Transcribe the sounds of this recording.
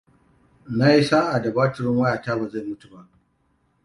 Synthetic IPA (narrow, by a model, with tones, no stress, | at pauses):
na˦ji˦saː˦ʔa˨da˨baː˦tɪ˨ɾɪ˦ŋwɐ˦jaː˨taː˦baː˨za˦˨jmʊ˦tu˨ba˦ʔ